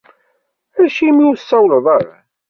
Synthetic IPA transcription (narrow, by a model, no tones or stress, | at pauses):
æʃimiwsːɑwlðˤəɾ